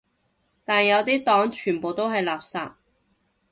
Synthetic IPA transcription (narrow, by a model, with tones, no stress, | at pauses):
t̪aː˨˩njɐ˨˧wt̪iː˥t̪ɔː˨˥ŋt͡ʃʰyː˨˩npoː˨wt̪o˥wɦɐ˨jlaː˨˩p̚sa̰ː˧t̚